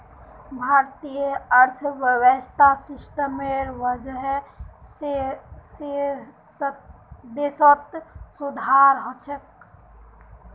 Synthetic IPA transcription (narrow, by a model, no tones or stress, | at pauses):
bʱaːɾt̪ijəəɾt̪ʰʋəwəst̪ʰasɪsʈəmeɾʋəd͡ʒəɦs | s | d̪esət̪sud̪ʱaɾɦɔt͡ʃʰək